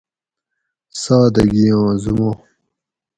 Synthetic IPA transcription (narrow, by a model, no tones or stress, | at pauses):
saːd̪ɐɡijõːzumõ